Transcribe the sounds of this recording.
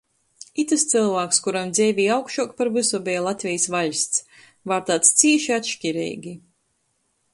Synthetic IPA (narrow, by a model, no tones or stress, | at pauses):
it̪ɨst̪sɨlˠvaːkskuɾamd̪zʲɛːvʲiːawkʃuɔkpaɾvɨsɔbʲɛːlˠat̪ʲvʲɛjsvaʎʲst̪s | vaːɾt̪aːt̪st̪siɛʃiat̪ʃcʲiɾɛ̰jɡʲi